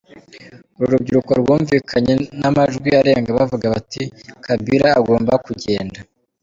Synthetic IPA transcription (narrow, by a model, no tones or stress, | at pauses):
uɾuɾub̚ɟiɾukoɾwuːɱviːkʰaɲe̞namaʒɡwiaɾe̞ːŋɡaβavuɡaβatikʰabiɾaːɡo̞ːmbakuɟe̞ːnda